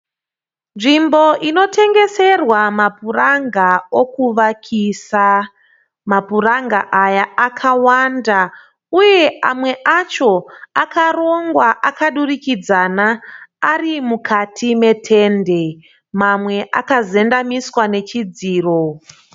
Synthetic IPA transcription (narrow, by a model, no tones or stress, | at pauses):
nʐimbo̞ʔino̞tʰe̞ŋɡe̞se̞rwamapuraŋɡao̞kuʋakʰisa | mapuraŋɡa̰ʔajaːkʰawanda | uje̞amwe̞ʔat͡ʃo̞akaro̞ŋɡwaʔakaɗurikid͡zanaːrimukʰatʰime̞tʰe̞nde̞ | mamwe̞ʔakaze̞ndamiswane̞t͡ʃid͡ziːro̞